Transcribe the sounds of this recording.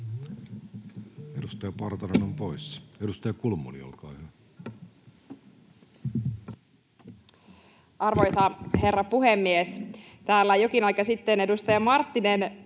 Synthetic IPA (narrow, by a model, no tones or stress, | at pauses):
edust̪ɑjɑpɑrt̪ɑnenompoisedust̪ɑjɑkulmṵlḭo̰lkɑːhyæ | ʔɑrʋojsɑhe̞rːɑpuhemːiest̪æːlːæjokinɑikɑsit̪ːenedust̪ɑjɑmɑrt̪ːinen